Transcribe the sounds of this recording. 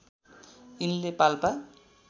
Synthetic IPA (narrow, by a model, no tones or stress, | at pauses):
inlepalpa